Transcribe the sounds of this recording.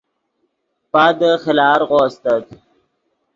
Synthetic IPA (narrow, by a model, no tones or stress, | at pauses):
pad̪əxəlɑːɾɣoːst̪ət̪